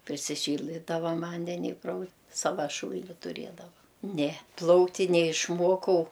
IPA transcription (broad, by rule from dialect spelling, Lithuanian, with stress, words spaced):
pʲrʲɪsʲɪˈʃʲiːlˠdɐɪ ˈtɐ ˈʋɐ ˈʋɐnʲdʲɛnʲɪ ɪ prɐʊ ˈsɑːʋɐ ˈʃuːlʲnʲɪ tʊˈrʲeːdɐʋɐ nʲɛ ˈplˠɐʊktʲ tʲɪ nʲɛɪʃˈmuɔkɐʊ